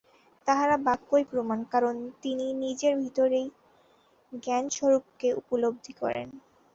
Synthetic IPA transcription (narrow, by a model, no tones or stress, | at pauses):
t̪aɦaɾabakːojpɾomankaɾont̪ininid͡ʑeɾbʱit̪oɾej | ɡɛnʃoɾupkeʔupolob̚d̪ʱikɔ̰ɾḛn